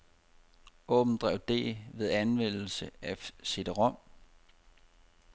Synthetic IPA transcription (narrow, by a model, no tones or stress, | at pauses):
ɔ̽ːb̥n̩d̥ʁɛ̰ʊd̥e̝̰ːʋe̝ð̞ˠænʋen̰l̩səæse̝d̥əʁɒ̽m̰